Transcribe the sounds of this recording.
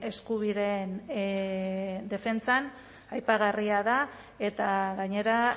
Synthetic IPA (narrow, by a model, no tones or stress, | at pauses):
e̞skuβiðe̞n | d̪e̞fe̞nt͡san | ajpaɣariaða | e̞t̪aɣaɲe̞ɾa